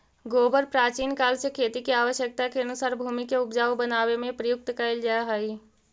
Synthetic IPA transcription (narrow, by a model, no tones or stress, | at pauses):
ɡoːbəɾpɾaːt͡ʃiːnkaːlsjəkʰːeːt̪ikeaːʋəʃjək̚t̪akeənʊsaːɾbʱuːmikeʊpd͡ʒaːobənaːwemẽpɾəjʊk̚t̪kəɪld͡ʒaaɦai